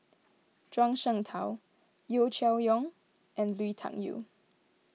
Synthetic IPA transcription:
t͡ʃwãŋʃəŋt̪ʰaw | jot͡ʃʰɛwjɔŋ | ʔɛ̃nlwitʰã̰ŋjṵ

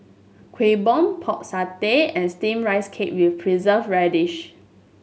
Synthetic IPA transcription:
kʰwebɔ̃mpʰɔk̚sateɛ̃nstĩmɹaɪskʰep̚wifpʰɹizəfɹɛdiʃ

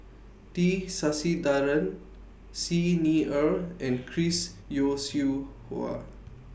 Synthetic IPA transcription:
ʈisasid̪aɾən | siniəɾɛ̃ɳkʰɾis | josjuhṵa̰

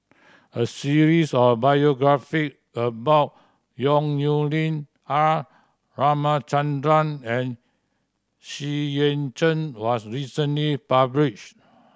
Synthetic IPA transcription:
əsiɹisɔfbajoɡɹafik̚ | əbaʊt̚ | jɔ̃ŋjulĩn | a | ɹamat͡ʃãndɹãnɛ̃n | ʃiẽnt͡ʃə̃nwɔsɹisə̃nlipabliʃt

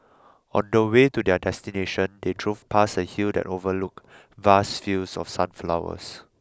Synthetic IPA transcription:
ɔ̰̃ndəwetudɛdɛstineʃə̃ndedɹuvpʰasəhildɛ̰tovəluk | vasfilsɔ̰fsãnflawə̰s

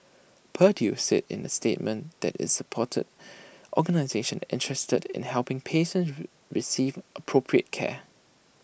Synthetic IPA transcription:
pʰədjusɪ̰tɪ̰̃nəstet̚mə̃nd̪̥ɛ̰tɪ̰zsəpʰɔtʰə̰dʔɔɡənaɪzeʃə̃nɪ̰̃ntʰɹɛstədɪ̰̃nhɛlpɪ̃ŋpʰeʃə̃ns | ɹisivʔəpʰɹopʰɹiə̰t̚kʰɛ̰

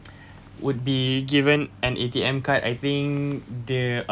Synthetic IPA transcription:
wut̚biɡivə̃nɛ̃nʔetiɛ̃mkata̰jt̪ĩŋd̪ə

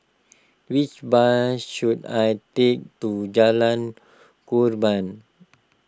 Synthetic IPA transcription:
wit͡ʃbasʃudajtek̚tud͡ʒalãn | kuɾbãn

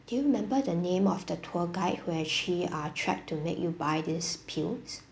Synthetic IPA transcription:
d̥ujuɹimɛ̃mbədənẽmɔfdətʰɔɡaɪt̚wɛʃiatʰɹɛ̰k̚tʰːumḛkjubaɪdispʰils

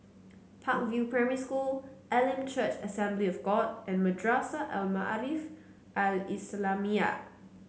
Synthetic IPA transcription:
pʰãk̚vjupʰɹɛməɹiskulʔɛlĩnt͡ʃʰət͡ʃəsɛ̃mbliɔfɡɔdʔɛ̃nmədɹasəʔɛlma̰ʔlif | ʔalislamia̰

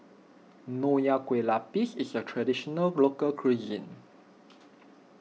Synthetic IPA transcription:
nojakwelapisisətʰɹadiʃɔnəlɡlokəlkʰɹizə̰̃n

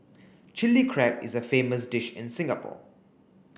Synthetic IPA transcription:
t͡ʃɪlikʰɹɛpɪ̰zəfeːməsdɪʃɪ̰̃nsɪ̃ŋɡəpʰɔ̰ː

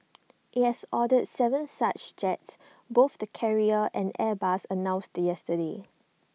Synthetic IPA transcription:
ʔithɛsɔdədsɛvə̃nsat͡ʃd͡ʒɛts | boθdəkʰɛɹiəʔɛ̃nɛbasənãʊ̃nstjɛstəde

